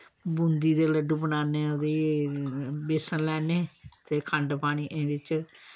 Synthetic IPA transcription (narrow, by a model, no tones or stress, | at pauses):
bʊ̃nd̪iːd̪eːləɖubənaːneːoːd̪eː | bɪsənlɛːneːt̪eːkʰəɳɖpaːɽ̃iːʔẽʋɪt͡ʃ